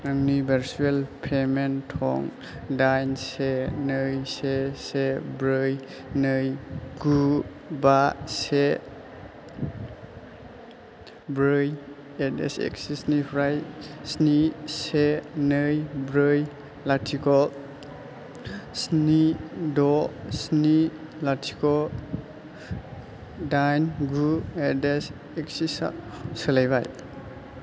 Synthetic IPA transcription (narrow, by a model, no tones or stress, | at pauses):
amnibeɾselpʰementʰɔ̰ŋ | dajnsenɯjsesebɾɯj | nɯjɡu | base | bɾɯj | etḛsḛksisnipʰɾajsnisenɯjbɾɯj | latʰikɔl | snidɔsni | latʰi̥kɔ | dajnɡuedes | ek̚sisa̰ | sɯlajbaj